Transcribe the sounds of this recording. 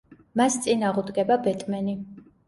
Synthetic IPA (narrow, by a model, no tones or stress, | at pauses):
mast̪sʼinaːʁud̪ɡɛbabɛt̪ʼmɛni